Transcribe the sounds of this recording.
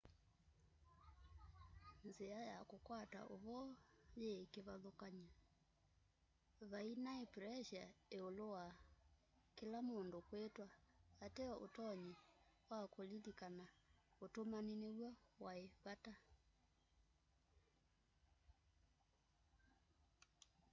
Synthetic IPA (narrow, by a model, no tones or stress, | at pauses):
nzeajakokwata̰ʔoβɔjekeβaðokaɲa | βainaepɾɛʃaeolowa | kelamoːndokwetwaːtɛɔʔotɔɲiwakolilikanaotomanineɣwɔwaeβata